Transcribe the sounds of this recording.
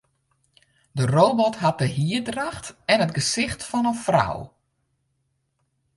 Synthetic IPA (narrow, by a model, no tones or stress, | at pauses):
dəroːbɔtɦat̚dəɦiədraxtɛnət̚ɡəsɪxtfɔnənfra̰w